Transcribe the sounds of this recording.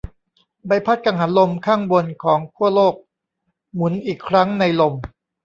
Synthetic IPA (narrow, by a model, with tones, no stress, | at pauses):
ba˧jpʰa˦˥t̪̚ka˧ŋɦa˩˦nlo˧mkʰaː˥˩ŋbo˧nkʰɔː˩˦ŋt̪ʰu˥˩ɐloː˥˩k̚ | mu˩˦nʔiː˨˩kʰɾa˦˥ŋna˧jlo˧m